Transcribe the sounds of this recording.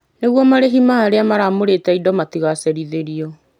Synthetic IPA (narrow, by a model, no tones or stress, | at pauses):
neɣwɔmaɾeɦimaːɾeamaɾamoɾetɛidɔmatiɣasɛɾiðeɾiɔ